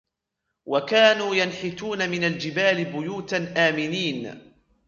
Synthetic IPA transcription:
wakaːnuːjanħɪt̪uːnamɪnald͡ʒɪbaːlɪbʊjuːt̪anʔaːmɪniːn

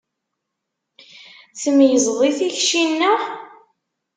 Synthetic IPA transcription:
θəmjəzʁˤiθiçʃinːæ

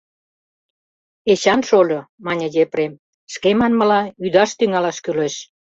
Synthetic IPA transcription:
eɕɑnʃolʲomɑnʲə̆jepɾem | ʃkemɑnmə̆lɑyd̪ɑʃt̪yŋɑlɑʃkyleʃ

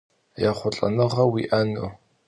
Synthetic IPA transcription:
jaχʷʊɬʼɐ̰nɨʁɐwiʔɐnɨ

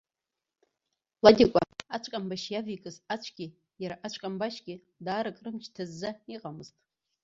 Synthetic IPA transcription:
ladʲikʷʼaat͡ʃʷʼkʼambaʃjavikʼɨzat͡ʃʷʰɡ̥ʲɪ | jaɾaʔat͡ʃʷʼkʲʼambaʃɡʲɪ | daːɾɨkʼrɨmt͡ʃʰtʰazːaiqʼamɨztʼ

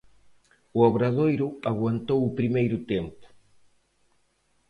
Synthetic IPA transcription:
uoβɾaðojɾuaɣwant̪owupɾimejɾut̪empu̥

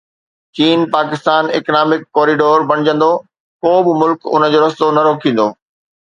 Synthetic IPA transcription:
t͡ɕiːnpaːkɪst̪aːnɪ̰knaːmɪkːɔːɾiɖoːɾbɐɽ̃ɪd͡ʑə̃nd̪o | koːbɪmʊlkʊ̰nəd͡ʑoːɾɐst̪onɐɾoːkʰĩːn̆d̪oː

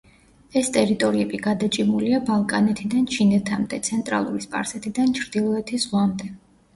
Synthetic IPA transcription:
ɛst̪ʼɛɾit̪ʼɔɾiɛbiɡad̪at͡ʃʼimuliabalˠkʼanɛt̪ʰid̪ant͡ʃʰinɛt̪ʰamd̪ɛt̪sʰɛnt̪ʼɾa̰lˠṵɾispʼa̰ɾsɛt̪ʰid̪ant͡ʃʰɾd̪̥ilˠɔɛt̪ʰiz̥ʁwamd̪ɛ

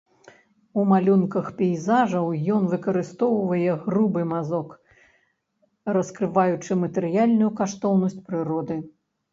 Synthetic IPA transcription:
umalʲunkɐxpʲɛjzaʐɐwjɔnvɨkɐɾɨst̪ɔwvɐjɛɣrubɨmazɔk | rɐskɾɨvajut͡ʂɨmɐt̪ɛɾɨjalʲnujukaʂt̪ɔwnɐsʲt͡sʲpɾɨɾɔd̪ɨ

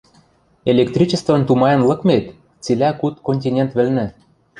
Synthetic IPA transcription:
elʲek̚t̪ɾʲit͡ɕə̆st̪vɤ̆nt̪umɑjɤ̆nlɤ̆kmet̪ | t͡silʲækut̪konʲtʲinʲent̪vɘ̆lnɘ̆

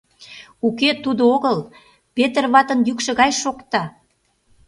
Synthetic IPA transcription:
uket̪ud̪ooɣəl | pet̪ərβɑt̪ə̆njykʃə̆ɣɑjʃokt̪ɑ

